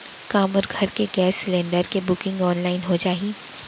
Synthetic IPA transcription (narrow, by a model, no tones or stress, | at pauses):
kaːmɔɾɡʱɐɾkeɡɛːsːɪlẽːɳɖəɾkebʊkɪ̃ŋɡɔːnlaːɪnɦod͡ʒaːɦiː